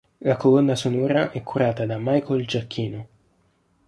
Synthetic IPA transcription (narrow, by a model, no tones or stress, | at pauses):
lakolɔnːasonɔːɾaʔɛkʰːuɾaːt̪ad̪amajkoild͡ʒakʰːiːno